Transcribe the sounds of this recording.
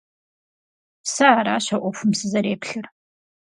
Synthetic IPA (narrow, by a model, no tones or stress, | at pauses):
saːɾaːɕɐʔʷɔfʷʊmsɨzɐɾeːpɬɨr